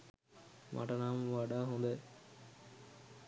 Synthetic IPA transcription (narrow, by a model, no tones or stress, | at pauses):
mʔa̰ʈɐnaːmʋaɖaːɦund̪ɐ